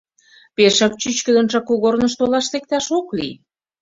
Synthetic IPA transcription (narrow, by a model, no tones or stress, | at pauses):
peʃɑk̚t͡ɕyt͡ɕkə̆d̪ə̆nʒɑkuɣornəʃt̪olɑʃt̪ek̚t̪ɑʃoklḭ